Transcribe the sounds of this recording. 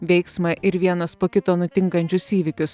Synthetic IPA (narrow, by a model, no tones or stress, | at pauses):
ʋʲɛɪksmɐʔɪɾʋʲiɛnɐspoːkʲɪt̪oːnʊt̪ʲɪŋkɐnʲt͡ʃʲʊsiːʋʲɪkʲʊs